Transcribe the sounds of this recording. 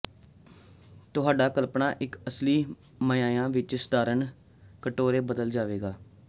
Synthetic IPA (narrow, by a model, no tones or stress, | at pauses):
t̪ʊɦaːɖaːkəlpɳaːʔɪkəsliː | məjãːjãːʋɪt͡ʃsə̥d̪aːɾəɳ | kəʈoːɾeːbəd̪əld͡ʒaːʋeːɡaː